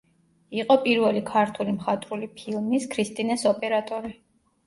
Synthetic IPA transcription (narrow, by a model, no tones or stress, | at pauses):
iqʼɔpʼiɾvɛlikʰaɾt̪ʰulimχat̪ʼɾulipʰilˠmiskʰɾist̪ʼinɛsɔpʼɛɾat̪ʼɔɾi